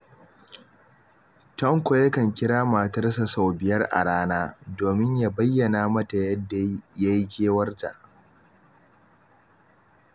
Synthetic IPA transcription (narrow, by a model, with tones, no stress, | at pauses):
tɐ˦ŋkʷo˨jɐ˦kɐ˨ŋkʲɪ˦ɽaː˦ma˨tɐ˦rsa˨sa˨wbɪ˨jɐ˦rʔa̰˨ɽaː˦naː˦doː˨mɪ˦ɲjaː˦bɐ˦jːɐ˨naː˦mɐ˦ta˨jɐ˦dːa˨ja˦jkʲeː˦wɐ˦rta̰˨ʔ